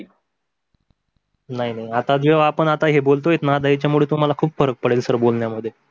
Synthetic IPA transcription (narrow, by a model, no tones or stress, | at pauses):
naɦinaɦiat̪ad̪ʋeʋaːpəɳat̪aɦebolt̪oet̪nad̪ait͡ɕjamuɭet̪um̤alakʰuːbfəɾək̚pəɽelsəɾbolɳjaməd̪ʱːje